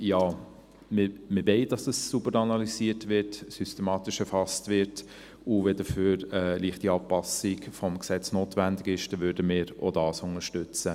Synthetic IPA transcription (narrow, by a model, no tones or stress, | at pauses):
jɑː | mɪmɪbɛɪdɑsəssubəɾɑnɑlisiːətvɪɾtsysteɛmɑːtɪʃɛfɑstʋɪɾt | ʊvɛdəføːɾɛːliəχtiɑːpɑsɪkfɔmksɛt͡snoːtvændɪɡɪʃd̥ɛʋvʏːɾdəmɪːɾo̰dɑːsʊŋəʃtʏt͡sə